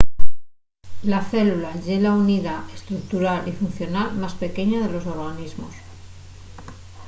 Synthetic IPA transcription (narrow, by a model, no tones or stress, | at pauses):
laθe̞lulaʎe̞launiðaest̪ɾuk̚t̪uɾalifun̟θjo̞nalmaspe̞ke̞ɲaðe̞lo̞so̞ɾɣanizmo̰s